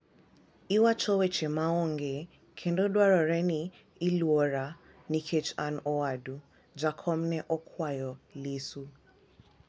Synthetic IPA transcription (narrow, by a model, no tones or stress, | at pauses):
iwat͡ʃɔwɛt͡ʃemaɔŋɡe | kʰendɔdwaɾɔɾɛniː | lwɔɾa | nikʰet͡ʃanɔwadu | d͡ʒakʰɔmnɛʔɔkʰwajɔlisu